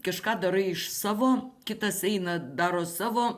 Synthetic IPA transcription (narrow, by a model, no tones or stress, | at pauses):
kɐʃkɑːd̪ɐɾɐɪɪʃsɑːʋoːkʲɪt̪ɐsɛɪnɐd̪ɑːɾoːsɑːʋoː